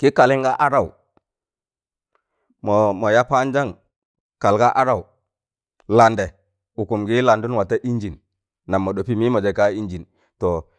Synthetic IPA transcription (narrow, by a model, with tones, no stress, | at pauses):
ki˦ka˨li˦ŋɡa˦ʔa˦ɾa˦˨w | mo˨mo˨ja˦pa˦nd͡ʒa˦ŋ | ka˨lɡa˦ʔa˦ɾa˦˨w | la˨nde˨ | u˨ku˨mɡi˦la˨ndu˦nwa˨ta˦ʔi˦nd͡ʒi˨n | na˨mːo˨ɗo˨pi˦mi˦mo˨d͡ʒe˨ka˦i˦nd͡ʒi˨n | to˨